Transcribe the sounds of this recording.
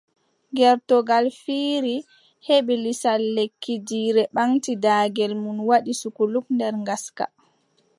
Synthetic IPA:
ŋɡɛɾtɔɡalfiːɾi | heɓilisalːekʰːid͡ʒiːɾɛɓaŋtidaːɡɛlmunwaɗisukulukndɛɾŋɡaska̰

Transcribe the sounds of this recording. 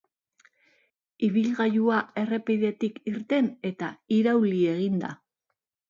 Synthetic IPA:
iβilɣajuae̞re̞piðe̞t̪ikiɾt̪e̞ne̞t̪aiɾawlie̞ɣind̪a̰

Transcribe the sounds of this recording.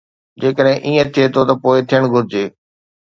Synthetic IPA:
d͡ʑeːkəɗɦɪ̃ʔiːẽt̪ʰiet̪ʰot̪ɐpoːɪt̪ʰɪjəɽ̃ɡʱʊɾɪd͡ʑeː

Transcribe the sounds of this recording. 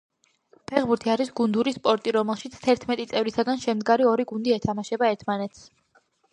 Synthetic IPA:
pʰɛʁbuɾt̪ʰiaɾisɡund̪uɾispʼɔɾt̪ʼiɾɔmɛlˠʃit̪sʰt̪ʰɛɾt̪ʰmɛt̪ʼit̪sʼɛvɾisaɡanʃɛmd̪ɡaɾiɔɾiɡund̪iɛt̪ʰamaʃɛbaɛɾt̪ʰmanɛt̪ʰs

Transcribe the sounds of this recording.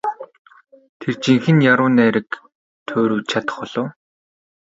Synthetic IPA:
t̪ʰert͡ɕiŋxɘ̆njaɾʊːnæːɾɘ̆k | t̪ʰoːɾuːt͡ɕʰat̪ə̥̆χpɔɮʊː

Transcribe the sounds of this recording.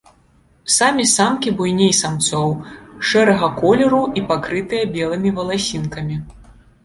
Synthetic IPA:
samʲisamkʲibujnʲejsamt̪sɔwʂɛɾɐɣɐkɔlʲɛɾuʔipakɾɨt̪ɨjɐbʲɛlˠɨmʲivɐlˠasʲinkɐmʲi

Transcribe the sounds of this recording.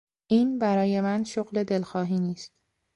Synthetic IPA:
ʔiːnbæɾɒːje̞mænʃoɣle̞d̪e̞lxɒːɦiːniːst̪

